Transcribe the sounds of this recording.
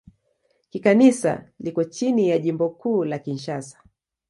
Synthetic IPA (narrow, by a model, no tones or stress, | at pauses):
kikanisa̰likɔt͡ʃinijaʄimbɔkuːlakinʃasḁ